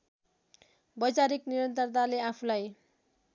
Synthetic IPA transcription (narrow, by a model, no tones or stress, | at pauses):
bʌd͡zaɾikniɾʌnt̪ʌrt̪̬aleapʰulaj